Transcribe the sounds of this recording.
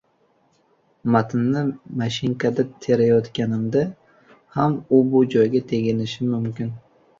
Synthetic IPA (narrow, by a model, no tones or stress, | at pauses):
mat̪ʰɪnːɪmaʃɪŋkʰad̪at̪ʰe̞ɾajɒt̪kʲanɪmd̪a | hamʊbʊd͡ʒɒjɡʲat̪ʰe̞ɡʲɪnɪʃɪmʊmkʲɪn